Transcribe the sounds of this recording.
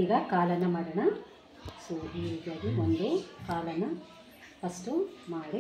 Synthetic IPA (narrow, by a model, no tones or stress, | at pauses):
iɡɐkaːlɐnɐmɐɽɐɳɐ | soːɦijeːɡ̪ɐd̪imond̪okaːlɐnɐ | pɐsʈumaːɽi